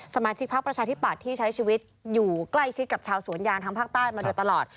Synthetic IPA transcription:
sa˧˦maː˧t͡ɕʰi˦˥k̚pʰa˦˥k̚pɾa˧t͡ɕʰaː˧t̪ʰi˦˥˩pːa˨˩t̪ʰːiː˥˩t͡ɕʰa˦˥jt͡ɕʰiː˧wi˦˥t̪̚juː˨˩kla˥˩jt͡ɕʰi˦˥t̪̚ka˨˩p̚t͡ɕʰaː˧wsu˨˩˦njaː˧nt̪ʰa˦˥ŋpʰaː˥˩k̚t̪aː˥˩jmaː˧du˧jt̪a˧lɔː˨˩t̪̚

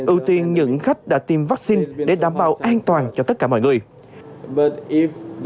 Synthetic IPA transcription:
ʔɨ˧wt̪i˧ənɲɨ̰˧˥ŋxa˦˥jk̟̚ɗa̰ː˧˥t̪i˨˩mva˦˥k̚si˧nɗe˧˩ɗaː˧˩mɓa̰ː˧˨wʔaː˧nt̪waː˨˩nt͡ɕɔ˧t̪ə˦˥t̚kaː˧˩mɔ̰˧˨ŋɨ˨˩əj | tf

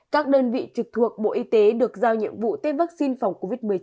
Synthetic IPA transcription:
kaː˦˥k̚ɗəː˧nvḭ˧˨t͡ɕɨ˨˩k̚t̪ʰu˨˩ək̚ɓo̰˧˨ʔi˧t̪e˨˦ɗɨ˨˩ək̚zaː˧wɲḭ˧˨əmvṵ˧˨t̪e˦vaː˦˥k̚si˧nfa˨˩wŋ͡mko˧vi˦˥t̚mɨ˨˩əjt͡ɕ

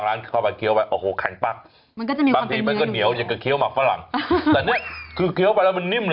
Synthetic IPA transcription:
ŋɾaː˦˥nkʰːkʰa˧˩pa˧˩kʰi˧˦əwa˧jʔoː˧˩hoː˨˩˦kʰa̰˨˩˦pa˧˩k̚ | ma˧nkɔː˥˩t͡ɕːbaː˧ŋt̪ʰiː˧ma˧˨kɔː˥˩ni˨˦əwja˨˩ka˧˩kʰi˧˦əwmaː˨˩k̚fa˦˥la̰˨˩˦ŋɛː˨˩ni˥˩ɐkʰɯː˧kʰi˧˦əwpa˧jlɛː˦˥wma˧nːi˦˥˩ml

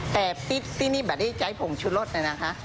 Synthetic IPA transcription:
t̪ɛː˨˩pi˦˥˩t̪̚siː˧˥˩niː˥˩bɛː˨˩t̚da˥˩jt͡ɕa˨˥jpʰo˨˩˦ŋt͡ɕʰu˦˥t̪lo˦˥˩t̪̚la˧na˦˥kʰa˦˥ʔ

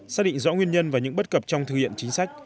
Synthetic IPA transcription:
saː˦˥ɗḭ˧˨ŋ̟zɔ̰˧˥ŋwi˧ənɲə˧nvaː˨˩ɲɨ̰˧˥ŋɓə˦˥t̚kə˨˩p̚t͡ɕɔ˧wŋ͡mt̪ʰɨ˨˩khḭ˧˨ənt͡ɕi˨˦ŋ̟sa˦˥jk̚

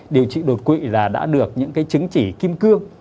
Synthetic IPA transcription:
ɗi˨˩əwt͡ɕḭ˧˨ɗo˨˩t̚kwḭ˧˨laː˨˩ɗa̰ː˧˥ɗɨ˨˩ək̚ɲɨ̰˧˥ŋkaː˨˦jt͡ɕɨ˨˦ŋt͡ɕi˧˩ki˧əmkɨ˧əŋ

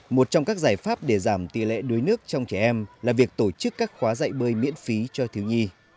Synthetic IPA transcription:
mo˨˩t̚t͡ɕɔ˧wŋ͡mkaː˦˥k̚zaː˧˩jfaː˦˥p̚ɗe˧˩zaː˧˩mt̪i˨˩lɛ̰˧˨ɗɨ˨˦jnɨ˦˥ək̚t͡ɕɔ˧wŋ͡mt͡ɕɛ˧˩ʔɛ˧mlaː˨˩vi˨˩ək̚t̪o˧˩t͡ɕɨ˦˥kːaː˦˥k̚xwaː˨˦za̰ː˧˨jɓəː˧jmḭ˧˥ənfi˨˦t͡ɕɔ˧t̪ʰi˨˦wɲi˧

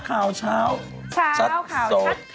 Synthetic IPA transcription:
kʰaː˨˩wt͡ɕʰaː˦˥wt͡ɕʰa˦˥t̪ːsoː˨˦t̪̚

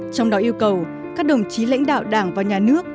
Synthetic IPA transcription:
t͡ɕɔ˧wŋ͡mɗɔ˨˦ʔi˧əwkə˨˩w | kaː˦˥k̚ɗə˨˩wŋ͡mt͡ɕi˨˦la̰˧˥jŋ̟ɗa̰ː˧˨wɗaː˧˩ŋvaː˨˩ɲaː˨˩nɨ˦˥ək̚

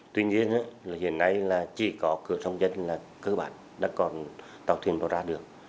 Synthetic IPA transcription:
t̪wi˧ɲi˧ənʔaː˧˦˨hḭ˧˨ənːa˧jlaː˨˩t͡ɕi˧˩kɔ˨˦kɨ˧˩˨əsə˧wŋ͡mzə˧nlaː˨˩ | kɨ˧ɓa̰ː˧˨n | ɗa̰ː˧˥kɔ˨˩n | t̪aː˨˩wt̪ʰwi˨˩ənɗɔ̰˨˧˩zaː˧ɗɨ˨˩ək̚

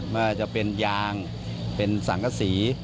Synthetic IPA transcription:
maː˥˩t͡ɕa˨˩ʔpe˧njaː˧ŋ | pe˧nsa˨˩˦ŋkʰa˧˥siː˩˦

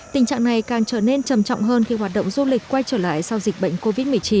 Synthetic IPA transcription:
t̪ï˨˩ŋ̟t͡ɕa̰ː˧˨ŋna˨˩jkaː˨˩ŋt͡ɕəː˧˩ne˧nt͡ɕə˨˩mt͡ɕwŋ͡mɦəː˧nki˧ɦwaː˨˩t̚ɗə̰˧˨ŋ͡mzu˧lï˨˩k̟̚kːwa˧jt͡ɕəː˧˩la̰ː˧˨jsa˧wzi˨˩k̟̚ɓə̰˧˨jŋ̟ko˧vi˦˥t̚mɨ˨˩əjt͡ɕi˨˧˦n

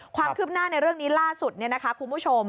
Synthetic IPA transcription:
kʰwaː˧kʰɯː˥˩p̚naː˥˩na˧jɾɯ˥˩əŋniː˦˥laː˥˩su˨˩t̪̚ni˥˩ɐna˦˥kʰa˦˥kʰu˧nbu˦˥t͡ɕʰo˧m

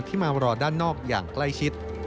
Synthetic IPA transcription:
t̪ʰiː˥˩maː˧ɾɔː˧daː˥˩nːɔː˥˩k̚ja̰ː˨˩ŋkla˥˩jt͡ɕʰi˦˥t̪̚

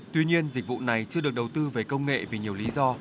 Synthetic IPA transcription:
t̪wi˧ɲi˧ənzi̟˨˩vṵ˧˨na˨˩jt͡ɕɨ˧əɗɨ˨˩ək̚ɗə˨˩wt̪ɨ˧ve˨˩kə˧wŋ͡mŋḛ˧˨vi˨˩ɲi˨˩əwli˨˦zɔ˧

